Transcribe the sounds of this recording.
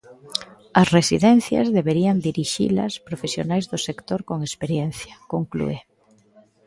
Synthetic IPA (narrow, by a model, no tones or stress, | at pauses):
ɐsresiðɛnθjɐ̰zðeβeɾiɐnd̪iɾiʃḭlɐ̰spɾofesjonajzðʊsekt̪oɾkoŋespeɾjɛn̟θjɐkoŋklṵe